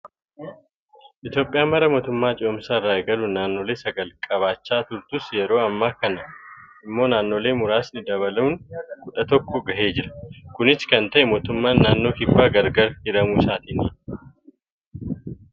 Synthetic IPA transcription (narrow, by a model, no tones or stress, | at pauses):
ʔɪt̪jo̞ːpʼːɪjaːmɐɾɐmo̞ːt̪ʊmːaːt͡ʃʼɪʊmsaːraːɛɡɐluːnːaːnːo̞ːle̞ːsɐɡɐlkʼɐβaːt͡ʃːaːt̪ʊɾt̪ʊsjɛɾo̞ːɐmːaːkɐnɐʔɪmːo̞ːnaːnːo̞ːle̞ːmʊɾaːsnɪd̪ɐbɐlɐʊnɡʊᶑɐt̪ɔkːɔɡɐʔe̞ːd͡ʒɪɾɐ̥kʊnɪskɐnt̪ɐʔɛmo̞ːt̪ʊmːaːnːaːnːo̞ːkɪfːaːɡɐɾɡɐɾhɪɾɐmuːsaːt̪ɪnḭːn